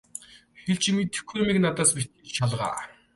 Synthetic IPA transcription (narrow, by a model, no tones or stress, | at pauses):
xeɮt͡ɕʰimit̪ɘ̥̆xumiknat̪aːspit̪ɘt͡ɕt͡ɕʰaɮʁa̰ː